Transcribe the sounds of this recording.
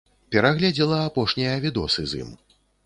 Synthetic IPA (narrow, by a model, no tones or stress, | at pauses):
pʲɛɾaɣlʲɛd͡zʲilˠɐapɔʂnʲijɐvʲid̪ɔsɨzḭm